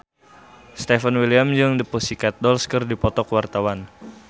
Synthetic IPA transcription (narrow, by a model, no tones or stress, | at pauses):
st̪efənwiliamd͡ʒəŋdipusikat̪̚dɔlskərdipɔt̪ɔkwart̪awan